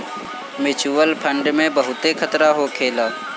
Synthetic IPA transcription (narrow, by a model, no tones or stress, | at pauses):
mɪt͡ʃuːəlpʰə̃ɳɖmẽbəɦʊt̪ekʰət̪ɾaɦokʰeːlaː